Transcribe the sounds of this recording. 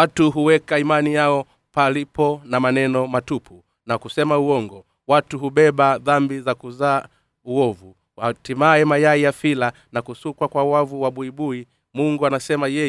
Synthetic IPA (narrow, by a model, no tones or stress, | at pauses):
atuɦuwɛkaimanijaɔ | palipɔnamanɛnɔmatupʰu | nakusɛmauɔŋɡɔ | watuɦuɓɛɓaðambizakuzaː | uɔvu | watimaɛmajaijafila | nakusukwakwawavuwaɓuiɓui | muŋɡuanasɛmajɛ